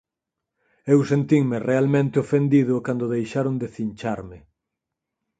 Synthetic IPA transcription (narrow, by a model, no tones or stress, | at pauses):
ewsent̪iŋmɪrealmẽnt̪ɪofend̪iðʊkand̪ʊðejʃaɾʊŋd̪eθinʲt͡ʃaɾmɪ